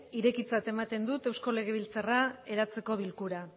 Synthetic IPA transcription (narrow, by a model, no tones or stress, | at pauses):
iɾe̞kit͡sat̪e̞mat̪e̞nd̪ut̪e̞wsko̞le̞ɣ̞e̞βilt͡sarae̞ɾat͡se̞ko̞βilkuɾa